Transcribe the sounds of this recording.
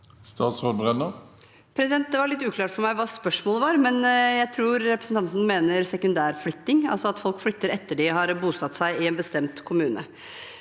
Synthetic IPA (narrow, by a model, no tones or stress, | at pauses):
st̪ɑːt̪sʁoːd̪̚bʁɛnəʁ | pʰɾɛsɪd̪ɛnt̪̚d̪ɛʋɑɾɭɪt̪ːʉːkʰlɑːʈfɔɾmæɪʋɑːspœʂmoːləʋɑɾmɛnjæɪt̪ʰɾuːɾɾɛpɾə̥sn̩t̪ɑnt̪n̩meːnəɾsɛkʉnd̪æːɾflʏt̪ːɪŋɑ̰lsɔɑt̪fɔlkflʏt̪ːəɾɛt̪ːəɖɪɦɑɾbuːsɑt̪ːsæɪɪɛːnbəst̪ɛmt̪kʰʊmʉːnə̰